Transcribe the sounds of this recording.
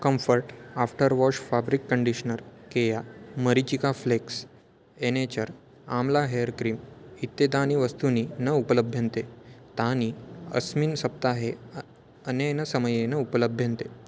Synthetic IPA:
kəmfəɾʈafʈəɾʋɔʂfabɾikːəɳɖiɕnəɾkejaməɾit͡ɕikafleks | enet͡ɕəɾ | a̰mlaɦejəɾkɾiːmit̪ːed̪aniʋəst̪uninəupələbʱjə̃nt̪et̪aniːə̰smiːnsəp̚t̪aɦe | ənenəsəməjenəupələbʱːjə̃nt̪e

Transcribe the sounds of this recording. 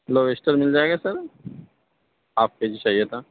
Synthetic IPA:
loʋesʈəɾmɪld͡ʒaːeɡasəɾ | aːp̚ked͡ʒit͡ʃaːɦijət̪ã

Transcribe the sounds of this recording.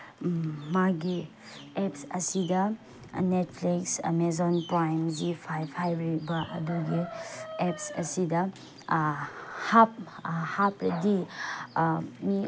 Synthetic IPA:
maɡi | epsɐsidɐ | net̚pʰliksmezɔnpɾajmzipʰajpʰajɾebɐʔɐ̰duɡiepsɐ̰sidɐ | hap̚hapɾɐdi | mi

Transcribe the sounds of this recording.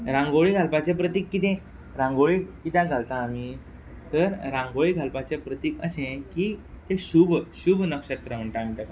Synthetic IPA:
ɾãŋɡoɭiɡʱalpat͡ɕẽpɾət̪iːkːit̪ẽ | ɾãŋɡoɭikit̪ẽɡʱalt̪aːmiː | t̪əɾɾãŋɡoɭiɡʱalpat͡ɕepɾət̪iːkəɕẽkiː | t̪ẽɕuːbɕuːbʱnəkɕət̪ɾəm̤əɳʈ̪am̤əɳʈ̪ək

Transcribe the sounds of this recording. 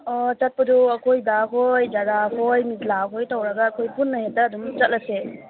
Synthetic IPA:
ɔt͡ʃɐt̚pɐduɐkʰojdaɦojd͡ʒaɾahojmizlaɦojtawɾɐɡɐːkʰojpunːɐhetɐːdumt͡ʃɐt̚lɐse

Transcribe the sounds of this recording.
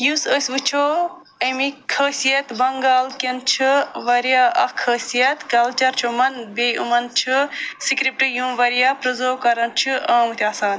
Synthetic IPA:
jusəsʲbɨt͡ʃʰo | ɐmikʰəːsijɐt̪bɐŋɡaːlkɐnt͡ʃʰiʋɐɾjaɐkʰːəːsijɐt̪kɐlt͡ʃɐɾt͡ʃʰumɐnbeumɐnt͡ʃʰusikɾip̚ʈɨjũʋɐɾjaːpɾɐzoːkɐɾɐnt͡ʃʰuɐ̃ːmut̪ʰʲaːsaːn

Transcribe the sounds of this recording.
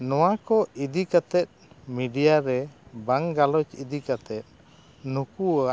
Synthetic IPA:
nɔwakɔid̪ikat̪ɛt̪̚ | miɖijaɾɛbaŋɡalɔt͡ʃid̪ikat̪ɛt̪̚ | nukua

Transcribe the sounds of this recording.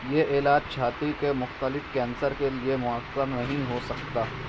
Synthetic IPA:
jeʔeːlaːd͡ʒt͡ʃʰaːt̪ɾikemʊxt̪əlɪfkɛ̃ːnsəɾkeliemʊɦəkːəɾnɐɦĩɦosɐkt̪aː

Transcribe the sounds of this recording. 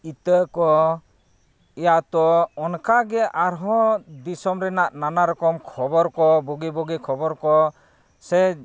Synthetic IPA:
it̪əkɔ | ɛjaʔt̪ɔɔnkaɡɛʔaɾɦɔ̃d̪isɔmɾɛnaʔnanaɾɔkɔmkʰɔbɔɾkɔbɔɡibɔɡikʰɔbɔɾkɔ | sɛ

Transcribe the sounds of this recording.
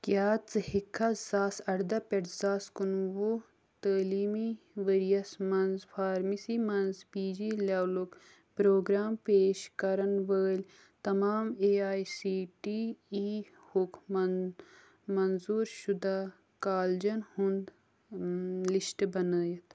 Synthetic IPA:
kjaːt͡sɨhikʰːazaːsɐɽd̪ɐpɐʈzaːskunʋo | t̪əːliːmi | ʋəɾijɐsmɐnzfʰaːɾmisimɐnzpiːd͡ʒiːlaːlok | pɾoːɡɾaːmpeːʃkɐɾɐnʋəːlʲ | t̪ɐmaːmeːaːjsiːʈiiː | hukʰ | mɐnzuːɾʃud̪aː | kaːld͡ʒɐnhund̪ | liʃʈbɐnəːjɐt̪

